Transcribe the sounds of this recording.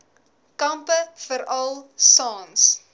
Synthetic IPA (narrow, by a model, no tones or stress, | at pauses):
kɐmpəfəɾɐlˠsɑːns